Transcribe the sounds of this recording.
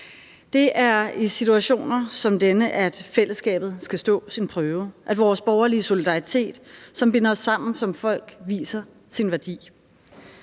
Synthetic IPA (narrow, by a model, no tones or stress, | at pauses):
d̥e̝ʔæɐisit͡sʰuæɕo̝̰ːnɐsɒ̽md̥enəʔæd̥fel̰əsɡ̥ɛ̰ːb̥ð̞̩ˠsɡ̥æsd̥ɔ̰̽ːsinpʰʁœːʊʔædʋɒːsb̥ɒʊɐliəso̝lid̥ɑ̈it͡sʰe̝̰ːd̥sɒ̽mb̥e̝nɐɒ̽sːɑ̈m̰n̩sɒ̽mfɒ̽l̰ɡ̥ʋḭːsɐ | sinʋæɐd̥ḭː